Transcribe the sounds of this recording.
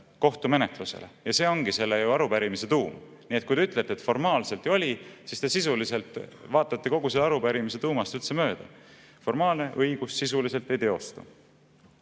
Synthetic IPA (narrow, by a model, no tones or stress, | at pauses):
ko̞ht̪ume̞net̪luse̞̰le̞̰jɑse̞ːo̞ŋɡise̞lːejuɑɾupæɾimise̞t̪uːm | niːet̪̚kujd̪e̞yt̪ːˑle̞t̪ːet̪fo̞rmɑːlse̞lt̪ˑːejo̞lʲisist̪esisulise̞lt̪ˑvɑːt̪ːˑɑt̪ːeko̞ɡ̥uselːɑɾupæɾimis̬e̞t̪uːmɑst̪ylt̪se̞mø̞ːd̪̥ɑ | fo̞rmɑːlne̞ʔɤ̞jɡ̥usːisulise̞lt̪ːˑe̞jt̪e̞o̞st̪u